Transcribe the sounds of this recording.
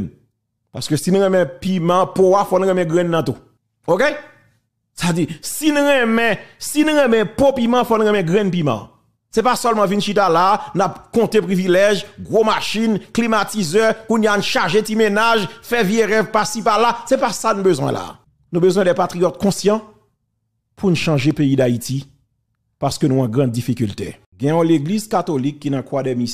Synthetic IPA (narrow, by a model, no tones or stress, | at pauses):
n | pa̰ʁskøsinũɣɛ̃mɛ̃pimɑ̃poafɔnuɣɛ̃mɛ̃ɡʁɛ̃nːɑ̃t̪u | oke | sad͡zisinuʁɛ̃mɛ̃sinũɣɛ̃mɛ̃popimɑ̃fɔnuɣɛ̃mɛ̃ɡʁɛ̃npimɑ̰̃ | sɛpasœlmɑ̃vinʃit̪alaːnapkɔ̃t̪epʁivilɛʒɡʁomaʃinklimatizɛkunjanũʃaʁʒetimenaʒfɛvjeʁɛvpasipalːasɛpasanũbøzwɛ̰̃la̰ | nũbøzwɛ̃dɛpat̪ʁijɔt̪̚kɔ̃sjɑ̃ | pʰunuʃɑ̃ʒepeid̪ait̪i | paʁskønũãɡʁãd̪̚ːifikylt̪ḛ | ɡɛ̃jɔ̃leɡlizkat̪olikːinãkwadɛmi